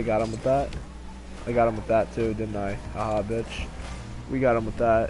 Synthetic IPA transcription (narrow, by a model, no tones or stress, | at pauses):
ɪɡɑɾ̚ə̃mwəðæt̚ | ʔaɪɡɑɾə̃mwəðɨtʰʉdɪdⁿn̩taɪəhɑbɪt͡ʃ | wʔiɡɑɾ̚ə̃mwəðæt̚